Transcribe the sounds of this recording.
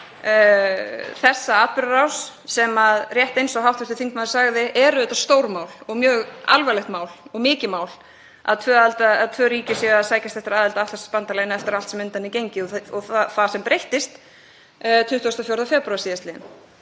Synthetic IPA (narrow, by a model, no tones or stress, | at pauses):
θɛsːaaːt̪̚pʏɾaɾawsːɛmaðrjɛht̪ejnsɔɦawht̪ʰɛlt̪ʏθiŋkmaːðɪ̥saɣðɪʔɛɾʏðɛt̪ːast̪oːwɾmaːwlɔɣmjœːɣa̰lvajlɛxt̪maːwlɔɣmɪːcɪmaːwl | a̰ðt̪ʰvœːalt̪aaðt̪ʰvœːɾiːcɪsɛɣaðsaːjcast̪ɛht̪ɪɾaːðɛlt̪aaft̪ʰasspant̪aleːjnaɛft̪ɪɾalt̪sɛmʏnt̪anicejɲcɪɔɔθθasɛmpɾejht̪ɪst̪ | t̪ʰʏht̪uast̪ɔfjowɾðafjɛɾpɾawasiːðast̪lɪːɪn